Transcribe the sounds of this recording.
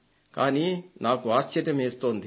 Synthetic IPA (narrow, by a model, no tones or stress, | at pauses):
kaːniːnaːkuaːst͡ʃɐɾjɐmeːst̪o̞ːnd̪i